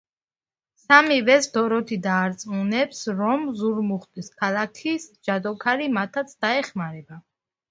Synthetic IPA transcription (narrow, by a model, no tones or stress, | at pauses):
samivɛsd̪ɔɾɔt̪ʰid̪aːɾt̪sʼmunɛpsɾɔmzuɾmuχt̪ʼiskʰalˠakʰisd͡ʒad̪ɔkʰaɾimat̪ʰat̪sʰd̪aɛχmaɾɛba